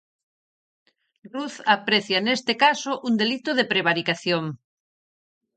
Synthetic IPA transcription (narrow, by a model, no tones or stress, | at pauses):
ruθapɾeθjanest̪ɪkasoʔund̪elit̪oðepɾeβ̞aɾikaθjoŋ